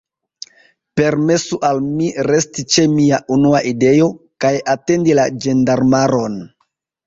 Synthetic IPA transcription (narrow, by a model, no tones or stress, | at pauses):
pe̞ɾme̞suʔalmiɾe̞stit͡ʃe̞miaʔunuaʔide̞jo̞kajate̞ndilad͡ʒe̞ndaɾmaɾo̞n